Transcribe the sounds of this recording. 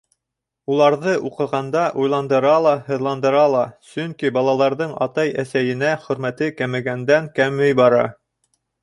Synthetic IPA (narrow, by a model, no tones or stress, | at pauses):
ulˠɑɾðɤʔuqɤ̆ʁɑnd̪ɑʔujlˠɑnd̪ɤ̆ɾɑlˠɑhɤ̆ðlˠɑnd̪ɤ̆ɾɑlˠɑsɵŋkibɑlˠɑlˠɑɾðɤɴɑ̰t̪ɑjæsæjɘ̆næχɵ̆ɾmæt̪ɘkæmɘ̆ɡænd̪æŋkæmːɘjbɑɾɑ̰